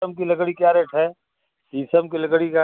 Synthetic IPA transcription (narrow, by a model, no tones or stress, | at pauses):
əmkilɐɡɽikjaːɾeʈʰɦɛː | isəmkilɐɡɽika